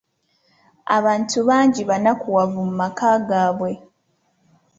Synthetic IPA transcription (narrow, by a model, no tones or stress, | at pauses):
a̰βaːntuβaːɲɟiβanakuwavumumakaːɡaːβwe̞